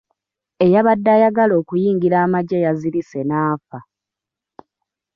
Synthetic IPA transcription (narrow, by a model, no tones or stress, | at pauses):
e̞jaβadːajaɡalo̞ːkujiːŋɡiɾaːmaɟejaziɾise̞naːfa